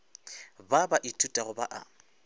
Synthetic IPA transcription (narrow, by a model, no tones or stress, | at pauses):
babaʔɪtʼutʼaɣʊbaʔa̰